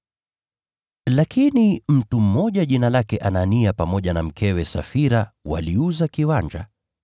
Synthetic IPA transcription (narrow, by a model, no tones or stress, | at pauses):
lakʰinim̩tum̩ːɔʄaʄinalakɛʔananiapamɔʄanam̩kʰɛwɛsafiɾawa̰liuzakiwaɲd͡ʒa̰